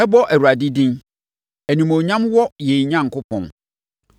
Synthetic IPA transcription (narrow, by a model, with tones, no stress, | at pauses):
ɛ˦bɔ˦ʔæ˨wu˨ɾa˨di˦dɪ̃˦n | æ˨nĩ˨mõ˨ɲã˦mwɔ˦je˨i˨ɲã˦˨ŋ̩˨kʊ˦pʰɔ̰̃˨n